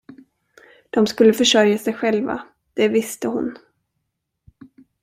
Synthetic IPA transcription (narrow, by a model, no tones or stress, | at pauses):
d̪̥ɔmskɵlːəfœʂœɾjasɛjɧɛlva̰ | d̪̥ɛvɪst̪əɦʊn